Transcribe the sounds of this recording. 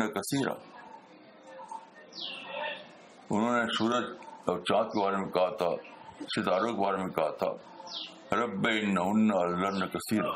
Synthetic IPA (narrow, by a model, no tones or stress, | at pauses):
ɐkɐsiːɾa̰ | ʊnɦõːnesuːɾəd͡ʒɔːɾt͡ʃãːt̪̚kebaːɾemẽkɐɦat̪ʰa̰ʃɪt̪aːɾõkebaːɾemẽkɐɦat̪ʰa̰ː | ɾɐbːeɪnːɐʊnːɐɐlːɐnɐkɐsiːɾa̰